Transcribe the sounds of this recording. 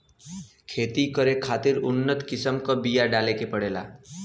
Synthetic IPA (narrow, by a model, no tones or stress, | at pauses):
kʰeːt̪ikəɾekʰaːt̪ɪɾʊnːət̪kɪsəmkabijaɖalekepəɽeːla̰ː